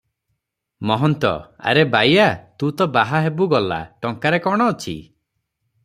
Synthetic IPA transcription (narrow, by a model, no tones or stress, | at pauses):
mɔɦɔnt̪ɔ̰a̰ɾebajat̪ũt̪ɔbaɦaɦebuɡɔla̰ʈɔŋkaɾekɔɽ̃ɔot͡ʃʰḭ